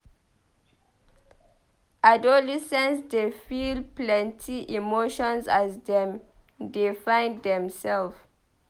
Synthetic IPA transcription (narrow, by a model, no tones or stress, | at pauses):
adolisɛ̃nsdefilplɛ̃ntʰiʔimoʃɔ̃nsasdɛ̃m | defãɪ̃ndɛ̃msɛlf